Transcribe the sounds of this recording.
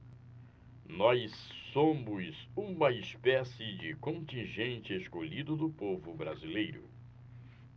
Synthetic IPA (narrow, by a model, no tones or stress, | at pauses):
nɔjsːõmʊzũmɐɪspɛsɪd͡ʒɪkõnt͡ʃĩʒẽnt͡ʃɪeskoʎid̪ʊd̪ʊpovʊbɾazilejɾʊ̰